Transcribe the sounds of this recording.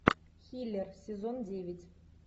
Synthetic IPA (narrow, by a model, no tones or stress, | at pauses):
xʲilʲersʲezondʲeʋʲitʲ